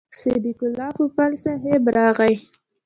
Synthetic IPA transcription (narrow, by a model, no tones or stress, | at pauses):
sed̪ikʊlɑpəpalsaɦebɾɑɣaj